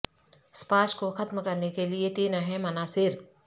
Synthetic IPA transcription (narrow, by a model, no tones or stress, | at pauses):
spaːʃkoxɐt̪mkɐɾnekeliet̪iːnəɦɛ̃mɐnaːsɪɾ